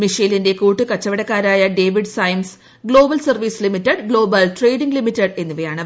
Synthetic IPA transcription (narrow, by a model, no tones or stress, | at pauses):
miʂijlinde̞kuːʈːɨkɐt͡ɕːɐʋiɽɐkːaːɾaːjɐɖe̞ːʋiɖsɐjms | ɡɭo̞ːbɐlsɐrʋiːslimitːɐɖɡlɭo̞ːbɐlʈre̞jɖiŋɡlimitːɐɖe̞nːuʋɐjaːɳɨ